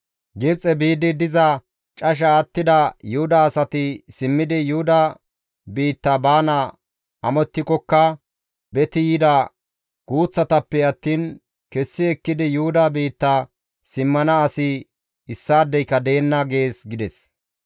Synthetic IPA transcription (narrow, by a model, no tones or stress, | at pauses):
ɡɪb̚t͡sʼɛbiːd̪ɪd̪ɪzɐ | t͡ʃʼɐʃ̬ɐːt̪ːɪd̪ɐjʊhʊd̪ɐːsɐt̪ɪsɪmːɪd̪ɪjʊhʊd̪ɐ | biːt̪ːɐbaːnɐ | ʔɐmɔt̪ːɪkɔkːɐ | bɛt̪ɪjɪd̪ɐ | ɡ̥uːt͡sːɐt̪ɐpːɛɐt̪ːiːn | kɛsːɪɛkːɪd̪ɪjʊhʊd̪ɐbiːt̪ːɐ | sɪmːɐnɐːsɪ | ɪsːaːd̪ːɛjkːɐd̪e̞ːnːɐɡe̞ːsɡɪd̪ɛs